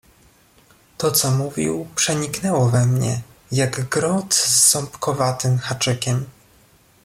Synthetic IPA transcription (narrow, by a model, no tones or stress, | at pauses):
t̪ɔt̪sɔmuvʲḭwpʂɛɲiknɛwɔvɛmɲɛ̰jaɡɡɾɔt̪zːɔmpkɔvat̪ɘmxat͡ʂɘkʲɛm